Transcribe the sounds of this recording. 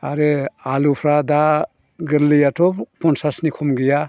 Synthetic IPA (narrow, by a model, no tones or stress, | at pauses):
aɾealupʰɾada | ɡɯɾlɯjatʰɔpɔnsasnikʰɔmɡija